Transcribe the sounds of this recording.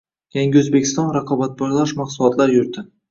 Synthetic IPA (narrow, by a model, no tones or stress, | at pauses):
jaŋɡʲɪɵzbekʲʰːɪst̪ɒnɾɑqʰɑbat̪̚bɒɾlˠaʃmɑqsʊlˠɒt̪lˠaɾjʊɾd̪ɪ